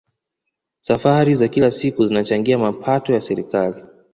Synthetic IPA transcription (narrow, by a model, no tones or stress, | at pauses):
safaɾizakilasikuzinat͡ʃaŋɡiamapʰatɔjasɛɾikali